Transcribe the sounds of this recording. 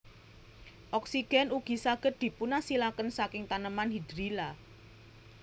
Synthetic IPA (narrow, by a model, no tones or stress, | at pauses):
ʔɔksiɡ̥ɛ̤nuɡ̥i̤saɡ̥ə̤t̪̚d̪̥i̤punasilakənsakɪŋt̪anəmanɦid̥ɾila